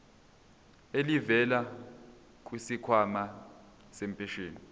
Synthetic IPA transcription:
elivɛla | k̬ʼwisikʰwama | sempʰʼɛʃeːni

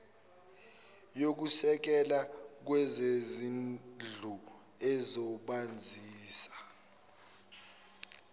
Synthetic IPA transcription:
jok̬usɛk̬ɛlak̬wɛzezind͡ɮʱu | ɛzɔɓand͡zʱiːsḁ

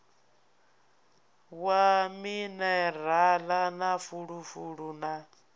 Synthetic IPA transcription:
waminɛralanafuɺufuɺuna

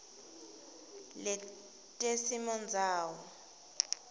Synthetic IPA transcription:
lɛ | tʼesimɔnd͡zʱaːwɔ

